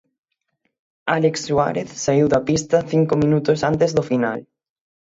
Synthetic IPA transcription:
aleksːwa̰ɾeθsaiwðɐpist̪ɐθiŋkʊmĩnut̪osant̪ezðofina̰l

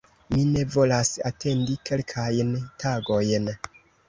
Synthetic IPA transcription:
mine̞vo̞lasate̞ndike̞lkʰajntʰaɡo̞jn

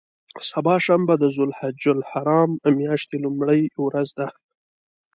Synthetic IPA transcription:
sabɑʃambad̪əzʊlhad͡ʒʊlhaɾɑmmjɑʃt̪elumɽəjwɾazd̪a

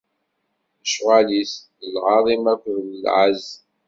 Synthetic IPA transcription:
əʃʁalis | əlʁɑðˤimækʷðləlʕəz

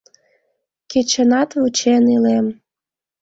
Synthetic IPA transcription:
ket͡ɕənɑt̪βut͡ɕenilem

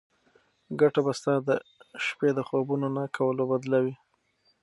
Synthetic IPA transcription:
ɡaʈabast̪ɑd̪əʃped̪əxobunonakʰawəlobad̪lawi

